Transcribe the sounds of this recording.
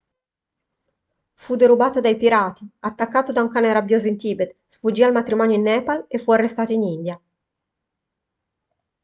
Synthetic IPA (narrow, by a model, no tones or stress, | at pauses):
fud̪eɾubaːt̪od̪ajpiɾaːt̪iat̪ːakːaːt̪od̪auŋkaːneɾabjoːzint̪iːbet̪sfud͡ʒːiːalmat̪ɾimɔːnjoinːɛːpalefːuarːest̪aːt̪oinind̪ja